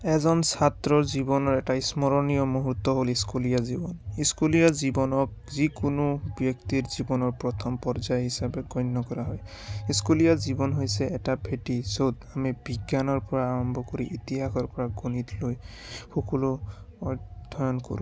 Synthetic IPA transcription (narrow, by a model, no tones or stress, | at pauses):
ɛzɔnsat̪ɹɔɹzibɔnɔɹɛtaismɔɹɔnijɔmoɦut̪ːɔɦoliskulijazibɔniskulijazibɔnɔk̚ | zikunubjɔkt̪iɹzibɔnɔɹpɹɔt̪ʰɔmpɔɹzajɦisabɛɡɔjnːɔkɔɹaɦɔj | iskulijazibɔnɦojsɛːtabʱetizot̪amibiɡjanɔɹpɔɹaːɹɔmbʱɔkoɹiʔit̪iɦaxɔɹpɔɹaɡonitloj | xɔkɔluɔdʱɔjɔnko̰ɹṵ̃